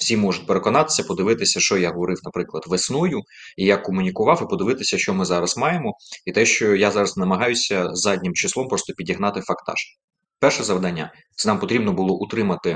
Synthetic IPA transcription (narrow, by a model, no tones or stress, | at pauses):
wsʲimɔʒʊt̚ʲpeɾe̞kɔnɑt̪ɪ̥sʲɐpɔd̪ɪʋɪt̪ɪsʲɐʃt͡ʃɔjaɦɔʋɔɾɪwnɐpɾɪklˠɐd̪ʋesnɔjʊ | ijakɔmʊnʲikʊʋɑwipɔd̪ɪʋɪt̪ɪsʲɐʃt͡ʃɔmɪzɑɾɐz̥mɑjemɔit̪ɛʃt͡ʃɔjazɑɾɐznɐmɐɦɑjʊsʲɐzɑdʲnʲimt͡ʃɪslˠɔmpɾɔst̪ɔpʲidʲiɦnɑt̪ɪfɐkt̪ɑ̰ʃ | pɛrʃɛzɐʋd̪ɐnʲːa | t̪ɛnɑmpɔt̪ɾʲibnɔbʊlˠɔʔut̪ɾɪmɐt̪ɪ